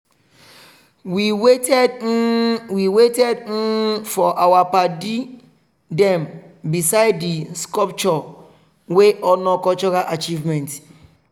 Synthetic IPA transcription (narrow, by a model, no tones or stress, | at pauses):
wiwetɛ | wiwetɛd̩fɔʔawapadi | dɛ̃m | bisaɪddiskɔp̚t͡ʃɔ | weʔɔnɔkɔt͡ʃɔɾaʔat͡ʃivmɛ̃nt